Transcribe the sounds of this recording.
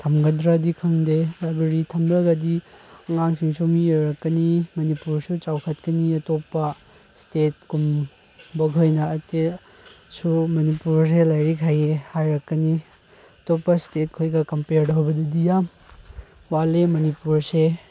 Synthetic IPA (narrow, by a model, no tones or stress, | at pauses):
tʰɐmɡɐdɾadikʰɐŋdelabeɾitʰɐmɾɐɡɐdiɐŋaŋsiŋsumiojɾɐkːɐnimɐnipuɾsut͡ʃawkʰɐt̚kɐniɐtopːɐ | stet̚kum | bɐkʰojnɐːte | sumɐnipuɾs̬elajɾikʰajehajɾɐkːɐni | ɐtopːɐstet̚kʰojɡɐkɐmpeɾdɐɦwbɐdɐdijam | walemɐnipuɾse